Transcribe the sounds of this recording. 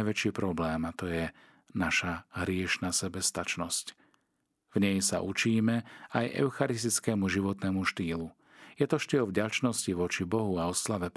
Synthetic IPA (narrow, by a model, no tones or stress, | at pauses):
jʋɛt͡ʃiːpɾɔblɛːmat̪ɔjɛ | naʃaɦɾɪɛʃnaːsɛbɛst̪at͡ʃnɔsc | vɲɛjsa̰ʔut͡ʃiːmɛajʔɛ̰ʊxaɾist̪it͡skɛmuʒiʋɔt̪nɛmuʃt̪iːlu | jɛt̪ɔʃt̪iːlvɟat͡ʃnɔsciʋɔt͡ʃibɔɦuaɔslaʋɛp